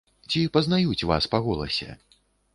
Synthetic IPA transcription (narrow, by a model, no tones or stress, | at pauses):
t͡sʲipɐznajut͡sʲva̰spaɣɔlˠɐ̰sʲɛ̰